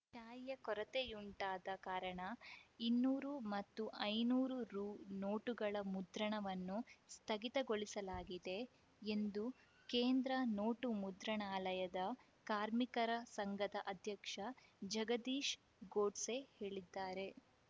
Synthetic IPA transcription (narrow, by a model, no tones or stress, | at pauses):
ʃaːjjɐkɔɾɐt̪ejuɳʈaːd̪ɐkaːɾɐɳɐinːuːɾumɐt̪ːuʔɐjnuːɾuɾuːno̞ːʈuɡɐɭɐmud̪ɾɐɳɐʋɐnːust̪ʰɐɡit̪ɐɡoɭisɐlaːɡid̪e̞ | end̪u | keːnd̪ɾɐno̞ːʈumud̪ɾɐɳaːlɐjɐd̪ɐ | kaːɾmikɐɾɐsɐŋɡɐd̪ɐʔɐd̪ʱjɐkʂɐd͡ʒɐɡɐd̪iːʃ | ɡo̞ːɖse̞he̞ːɭid̪ːaːɾe̞